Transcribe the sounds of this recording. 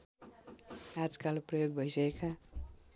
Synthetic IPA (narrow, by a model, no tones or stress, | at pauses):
ad͡zkalprʌjoɡbʱʌjsʌkekʰa